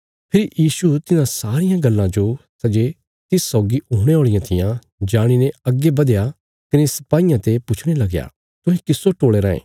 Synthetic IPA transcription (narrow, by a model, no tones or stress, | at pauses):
pʰɪɾijiːsut̪ɪnãsaːɾɪjãɡɐlːãd͡ʒosɐd͡ʒe | t̪ɪsːɔːɡiuːɽ̃eɦoːɭɪjãt̪ʰɪjã | d͡ʒaːɽ̃inẽɐɡːebɐd̪ja | kɪnesɐ̥paːɪjãt̪epʊt͡ʃʰɽ̃elɐɡja̰ | t̪ʊ̃ɦẽkɪsːoʈoːɭeɾãːḛ̃ː